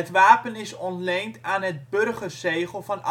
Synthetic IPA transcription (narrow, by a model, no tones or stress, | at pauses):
ətʋaːpənɪsɔntlejntaːnɦət̚bɵrχərsejχəlˠvɑnʔ